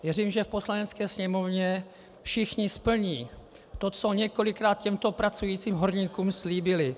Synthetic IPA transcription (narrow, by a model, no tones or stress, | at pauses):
vjɛriːmʒɛfpo̞slanɛt͡skɛːsɲɛmo̞vɲɛ | fʃɪxɲɪspl̩ɲiː | t̪ot͡soɲɛko̞lɪkɾaːt̪̚cɛmt̪o̞pɾat͡sujiːt͡siːmɦoɾɲiːkuːmsliːbɪlɪ